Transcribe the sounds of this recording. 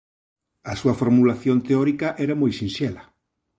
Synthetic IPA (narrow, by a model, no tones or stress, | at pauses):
ɐsuɐfoɾmulaθjont̪eɔɾikɐʔɛɾɐmojsĩnʃɛlɐ